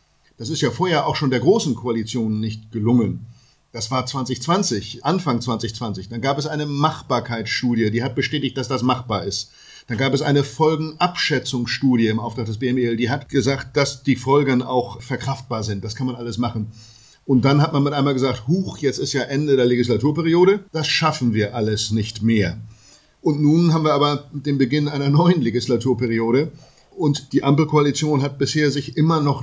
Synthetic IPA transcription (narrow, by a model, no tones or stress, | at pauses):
d̥as̬ɪstjaːfoːɐheːɐʔaʊxʃoːndeːɐɡʁoːsn̩kʰoalit͡sjoːnːɪçtɡ̥əlʊŋən | d̥asv̥aːɐt͡sv̥ant͡sɪçt͡sv̥ant͡sɪçʔanfaŋt͡sv̥ant͡sɪçt͡sv̥ant͡sɪçd̥anɡaːpɛsʔaɪnəmaχb̥aːɐkʰaɪt͡sʃtuːdjədiːɦhat̚b̥əʃtɛːtɪçt̚d̥asd̥asmaχb̥aːɐɪst | d̥anɡaːpɛsʔa̰ɪnəfɔlɡŋ̩ʔapʃɛt͡sʊŋsʃtuːdjəɪmʔaʊftʁ̥aχktd̥ɛsb̥eːɛmɛldiːɦatɡ̥əzaːkt̚d̥asd̥iːfɔlɡəna̰ʊxfɛɐkʁ̥aft̚b̥aːɐzɪnt̚d̥askʰanmanʔaləsmaχn̩ | ʔʊnt̚d̥anhatmanmɪtʔaɪmaːlɡəzaːkthuːxjɛt͡stɪstjaːʔɛndədeːɐleɡislatʰuːɐpɛʁioːɾəd̥asʃafn̩viːɐʔaləsnɪçtmeːɐ | ʔʊntnuːnɦaːbm̩viːɐaːbɐd̥eːmbəɡɪnʔaɪnɐnɔʏənleɡɪslatʰuːɐpɛʁ̞ioːɾə | ʔʊntd̥iːʔampl̩kʰoalit͡sjoːnɦat̚b̥ɪsheːɐzɪçʔɪmɐnɔχ